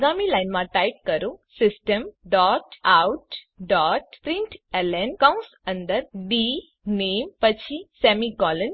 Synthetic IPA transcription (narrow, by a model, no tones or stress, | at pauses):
ɡamilajnmãʈajp̚kəɾũsɪsʈəmɖɔːʈawʈ | ɖɔʈpɾĩɳʈɛlɛnkãũs | ə̃nd̪əɾɖi | neːmpət͡ɕʰisɛmikɔlən